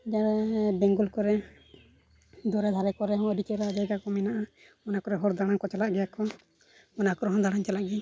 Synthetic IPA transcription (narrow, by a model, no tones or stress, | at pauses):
d͡ʒaɾɛbɛŋɡulkɔɾɛ | d̪ɔɾɛd̪ʱaɾɛkɔɾɛɦɔ̃ɔd̪ikɛɾaad͡ʒajɡakɔmɛnaʔa | ɔnakɔɾɛɦɔɾd̪aɽ̃aŋkɔt͡ʃalaʔɡɛjakɔ | ɔnakɔɾɔɦɔ̃d̪aɽ̃aɲt͡ʃalaʔɡɛ